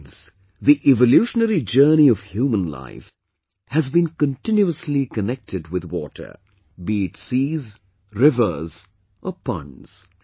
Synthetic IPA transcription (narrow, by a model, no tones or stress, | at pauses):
z̥ | ðiʔɛvəljuʃənəɾid͡ʒɜ˞niʌv̥hjuːmə̃nla̰ɪf | hɨzbĩnkə̃ntɪ̃njuəslikənɛk̚tʰɨdwɪðwɔ̰ːtʰə̰˞ | bitsiːz | ɹɪvə˞z | ʔəpʌ̰̃nz̥